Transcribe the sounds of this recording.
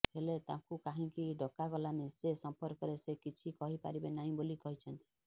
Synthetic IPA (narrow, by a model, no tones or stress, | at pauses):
ɦelet̪ãkukãɦĩkiɖʱɔkaɡɔlanesesɔmpɔɾkɔɾesekit͡ʃʰikɔɦipa̰ɾibenaɦĩbolikɔɦit͡ʃʰɔnt̪i̥